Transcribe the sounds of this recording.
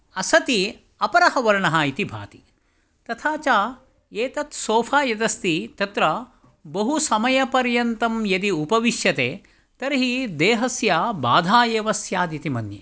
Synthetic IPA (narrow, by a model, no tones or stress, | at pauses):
ɐsɐt̪i | ɐpɐɾɐɦɐʋɐɾɳɐɦaːit̪ibʱa̰ːt̪i̥ | t̪ɐt̪ʰaːt͡ʃaː | eːt̪ɐt̪soːfʰaːjɐt̪ɐst̪it̪ɐt̪ɾɐ | bɐɦusɐmɐjɐpɐɾjɐnt̪ɐmjɐt̪iupɐʋiʃjɐt̪eː | t̪ɐɾɦid̪eːɦɐsjaːbaːd̪ʱaːjeːʋɐsjaːd̪it̪imɐnjḛ